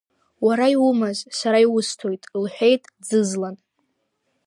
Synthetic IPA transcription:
waɾaiwʊmazsaɾaiwʊstʰojtʼlħʷᶣejtʼd͡zɨzlan

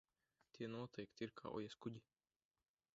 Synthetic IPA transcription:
t̪ʲiɛnuɔt̪ɛjkt̪ʲiiɾkʰa̰ːʔɔ̰jɛskud̪ʲi

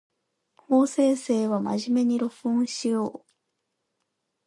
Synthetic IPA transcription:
ho̞ːse̞ːse̞ːβama̰ʑime̞ɲ̟iɾo̞ɸɯõɰ̃ɕijo̞ː

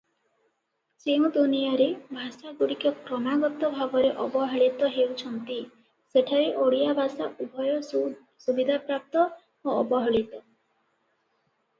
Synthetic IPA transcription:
t͡ʃeũd̪unijaɾebʱasaɡuɽikɔkɾɔnaɡɔt̪ɔbʱabɔɾeʔɔbɔɦɔɭit̪ɔɦewt͡ʃʰɔnt̪i | seʈʰaɾeʔoɽijabʱasaʔubʱɔjɔ | subid̪ʱapɾap̚t̪ɔ | oɔbɔɦɔɭit̪ɔ

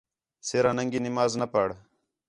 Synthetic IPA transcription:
seːɾanɐŋɡinimaːznɐpəɽ

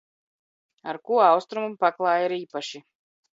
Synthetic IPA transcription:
aɾkuɔawst̪ɾumumpaklˠɑːjiɾiːpaʃi

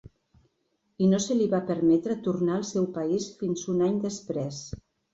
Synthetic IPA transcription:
inosəliβapəɾmɛt̪ɾət̪uɾnaəlˠsɛwpaisfinzunaɲd̪əspɾɛs

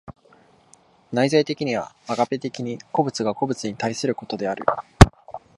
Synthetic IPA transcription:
naizait̪e̞kʲiɲ̟iβa̰aɡape̞t̪e̞kʲiɲ̟iko̞bɯ̟t͡sɨɡako̞bɯ̟t͡sɨɲ̟it̪aisɨɾɯ̟ko̞t̪o̞d̪e̞aɾɯ̟̰

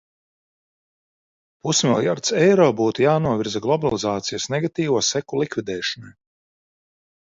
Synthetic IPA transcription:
pusmiɛlˠjaɾt̪sɛjɾɔːbuːt̪ujaːnuɔvʲiɾzaɡlˠɔbalˠizaːt̪sijasnɛɡat̪iːvuːsɛkulˠikvʲid̪ɛːʃɔnaj

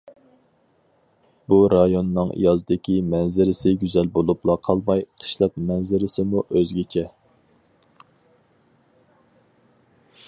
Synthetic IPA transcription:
b̥uɾɑjonːɨŋḭjɑzɨd̪ɪkʲʰimɛnzɪɾɪsɪɡʲyzɛlbolˠuplˠɑqʰɑlˠmɑjqʰə̥ʃlˠɑp̚mɛnzɪɾɪsɪmuʔøzɡʲet͡ʃʰɛ

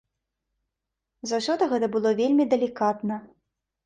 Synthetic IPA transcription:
zɐwsʲɔd̪ɐɣɛt̪ɐbɨlˠɔvʲelʲmʲid̪ɐlʲikat̪nɐ

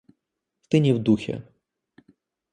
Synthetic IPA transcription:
st̪ɪnʲiwd̪uxʲɛ̰

